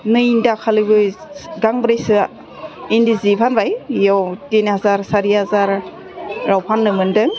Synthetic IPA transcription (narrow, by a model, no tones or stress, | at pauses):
nɯindakʰalɯbɯɡaŋbɾejsɯ | indizipʰanbajjawtinhazaɾsaɾihazaɾ | ɾawpʰanːɯmɯndɯŋ